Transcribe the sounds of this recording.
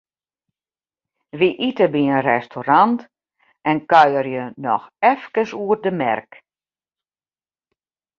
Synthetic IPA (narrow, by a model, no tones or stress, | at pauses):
ʋiʔitəbiənrɛstʰoɾant | ʔɛnkœjərjənɔ̰xɛfkəsuədəmɛ̰rk